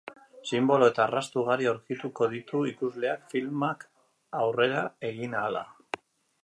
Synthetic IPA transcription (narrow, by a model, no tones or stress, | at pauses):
simbo̞lo̞e̞t̪aːrast̪uɣ̞aɾioɾkit̪uko̞ðit̪uikuzle̞akfilmak | awre̞ɾae̞ɣ̞inaːla̰